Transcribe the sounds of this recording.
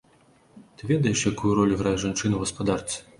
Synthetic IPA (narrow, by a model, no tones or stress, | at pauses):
t̪ɨvʲɛd̪ɐjɛʂjakujuɾɔlʲuɣɾajɛʐant͡ʂɨnɐwɣɐspad̪art̪sʲ